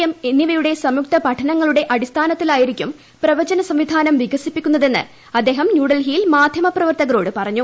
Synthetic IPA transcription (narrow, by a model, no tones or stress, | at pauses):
jɐmenːiʋɐjuɽe̞sɐmjuk̚t̪ɐpɐʈʰɐnɐŋːɐɭuɽe̞ʔɐɽist̪ʰaːnɐt̪ːilaːjiɾikʲːum | prɐʋɐd͡ʑɐnɐsɐmʋid̪ʱaːnɐmʋiɡɐsipːikʲːunːɐðe̞nːɨ̰ | ɐd̪ːe̞ːɦɐmnjuːɽɐlɦijilmaːd̪ʱjɐmɐprɐʋɐrt̪ɐɣɐɾo̞ːɽɨpɐrɐɲːu